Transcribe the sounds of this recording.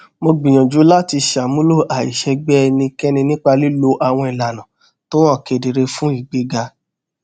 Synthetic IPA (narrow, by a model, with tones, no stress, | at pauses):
mo˧ɡ͡bĩ˨j̃ɔ̃˨d͡ʒu˨˦la˦ti˧ʃa˨mũ˦lo˦˨ʔa˨ḭ˨ʃɛ˧ɡ͡bɛ˦˧nĩ˧kɛ˦nĩ˧nĩ˦k͡pa˧li˦lo˧˦ʔa˨w̃ɔ̃˧i˨la˨nã˨ | to˦ɔ˦˨ke˨de˨ɾe˧fũ˦i˦˨ɡ͡be˨˦ɡa˧